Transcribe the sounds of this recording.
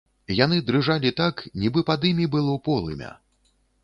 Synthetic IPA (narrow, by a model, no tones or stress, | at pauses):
janɨd̪ɾɨʐalʲit̪aknʲibɨpad̪ɨmʲibɨlˠɔpɔlˠɨ̰mʲɐ̰